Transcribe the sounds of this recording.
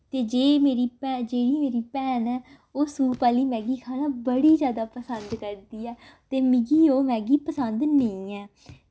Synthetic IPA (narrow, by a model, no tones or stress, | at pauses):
t̪eːd͡ʒeːmeːɾiːpɛd͡ʒeːɽiːmeːɾiːpɛːnɛː | oːsuːpaːliːmɛ̃ːɡiːkʰaːlãːbəɽiːzjaːd̪aːpəsənd̪kəɾd̪iːɛːt̪eːmɪɡiːoːmɛ̃ːɡiːpəsənd̪nəĩːɛː